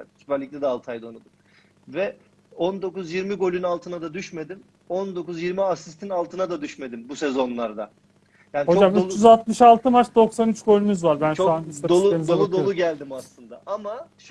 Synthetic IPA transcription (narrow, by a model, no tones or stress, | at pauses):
t̪ʰi̥pæɾlʲic̚t̪ʲɛd̪ɛalˠt̪ʰajd̪anud̪um | vɛ | o̞nd̪o̞kuzjiɾmiɡo̞lʲynalˠt̪ʰɯnad̪ad̪yʃme̞d̪im | o̞nd̪o̞kuzjiɾmiasist̪ʰinalˠt̪ʰɯnad̪ad̪yʃme̞d̪imbusezo̞nlˠaɾd̪a | jaːnihot͡ʃd͡ʒamyt͡ʃjyzalˠt̪mɯʃalˠt̪ʰɯmat͡ʃd̪o̞ksanyt͡ʃɡo̞lʲymyzvaɾbænʃuanisad̪oenizelˠud̪ouɟælʲd̪imaslˠɯnd̪aʔamaʃ